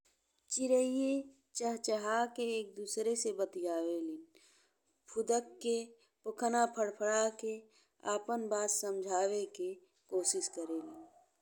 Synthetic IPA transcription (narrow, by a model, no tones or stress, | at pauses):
t͡ʃɪɾəije | t͡ʃəɦt͡ʃəɦakeːk̚d̪uːsɾesebət̪d͡ʒaːwelin | pʰʊd̪əkːe | pʊkʰnapʰəɽpʰəɽake | a̰ːpənbaːssəmd͡ʒʱaːweke | koːsɪskəɾelin